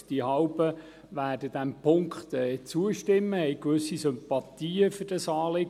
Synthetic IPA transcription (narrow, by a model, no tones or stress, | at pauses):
d̥iɦɑwbə | ʋæːrdəd̥æmpʰʊŋkχt̪ɛːt͡suəʃtɪmːəhɛjkʋɵsːisʏmpɑt̪iːəfərd̥ɑsɑːlɪɡ